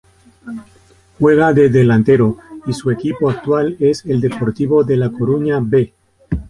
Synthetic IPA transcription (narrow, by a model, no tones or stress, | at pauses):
xwe̞ɣ̞aðe̞ðe̞lãnt̪e̞ɾo̞isue̞kipo̞ak̚t̪wale̞se̞ld̪e̞po̞ɾt̪iβo̞ðe̞lako̞ɾuɲaβe̞